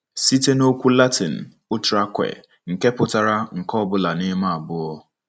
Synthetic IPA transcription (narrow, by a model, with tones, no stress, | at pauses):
si˦te˦no˦kʷu˦la˦tɪ˨n̩˨ | ʊ˦t͡ʃʊ˨ɾa˦kʷḛ˨ | ŋ̩˨ke˦pʊ˨ta˨ɾa˦ŋ̩˨kɔ˦bʊ˦la˨nɪ˦ma˦a˨bʊ˦ɔ˦